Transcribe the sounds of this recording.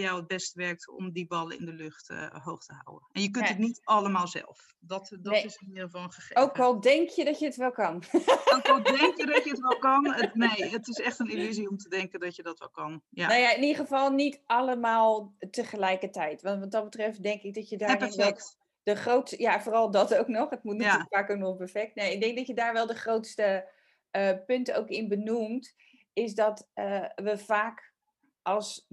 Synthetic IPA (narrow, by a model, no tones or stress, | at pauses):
jawəd̚bɛstəʋɛɹk̚tɔ̰mdibɑlˠə̰ɪ̰ndəlʏxtə̰ɦowxtəɦa̰wə̰nnɛnjəkɵntətnitɑləmaːlˠzɛ̰lˠf | dɔtdɔɪsɪnɪəvɑlˠəəowkʋɔlˠdɛŋkʰjədɔtjəətʋɛlˠkɑnowkɔlˠdɛŋkjədɔtjəətʋɛlˠkɑnənejətɪsɛxtənilyziɔmtədɛŋkəndɔtjədɔtʋɛ̰lˠkɑnjanojaɪnidəχəfɑlˠnitʔɑləmaːlˠtəχəlɛjkətɛjtʋɑntʋɔt̚dɔt̚bətrɛft̚dɛŋkɪk̚dɔtjədaːɪʋɛl | d̥əxrowtsjafoːrɑlˠdɔtowknɔχətmutnətykfaːkok̚nopəɹfɛk̚tnejɪk̚dɛŋk̚dɔtjədaːɹʋɛlˠdəχrowtstə | əpʏntəowkɪnbənumt | ɪs̬dɔtəʋəfaːk | ʔɔlˠs